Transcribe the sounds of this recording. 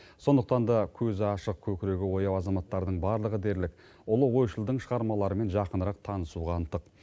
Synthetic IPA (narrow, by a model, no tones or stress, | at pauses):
so̞nd̪əq̚t̪ɑnd̪ɑkʲʰɵzɪɑʃəq̚kʲʰɵkʲɪɾe̞ɡʲɪwo̞jɑwɑzɑmɑt̪ːɑɾd̪əɴbɑɾlˠəʁəd̪e̞ɾlɪk̚ | ʊlˠəwo̞jʃəlˠd̪əɴʃəʁɑɾmɑlˠɑɾəme̞nʒɑqənəɾɑq̚t̪ʰɑnəsuʁɑnt̪ːəq